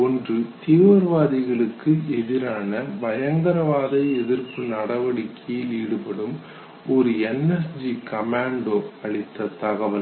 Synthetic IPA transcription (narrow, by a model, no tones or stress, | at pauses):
ɔndrɯt̪iːʋɐɾʋaːðɪɣɐɭɯkːɯɛðɪɾaːnɐbɐjɐŋɡɐɾɐʋaːðɐɪɛðɪɾpɯnɐɽɐʋɐɽɪkːʰijɪliːɽɯpɐɽɯm | ɔɾɯɛnːɛsd͡ʒikɐmaːɳɖoːɐɭɪt̪ːɐt̪ɐɣɐʋɐl